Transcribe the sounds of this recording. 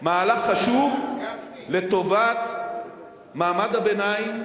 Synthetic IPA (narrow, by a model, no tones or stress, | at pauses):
maːlaχːaʃuv | let̪o̞vat̪ | maːmad̪habenajim